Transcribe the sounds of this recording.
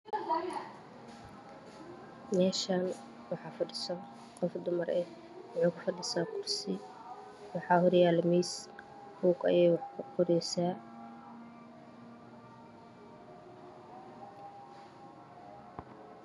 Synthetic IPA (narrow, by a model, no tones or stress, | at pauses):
mɛːʃaːn | wɑħɑːfɐɖɪsɔn | qɔfd̪ʊmɐɾɛ | wɑħuːkʰʊfɐɖɪsaːqʰʊrsɪ | wɑħɑːhɔɾɪjaːlmis | huːɡɐ̰jɛːjwɑħkʰʊqʊɾɛjsaː